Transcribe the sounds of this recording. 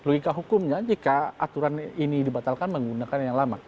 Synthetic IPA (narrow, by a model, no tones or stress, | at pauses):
loikaɦukʊmɲad͡ʒikaat̪uɾaninidibat̪alkanməŋɡunakanjaŋlama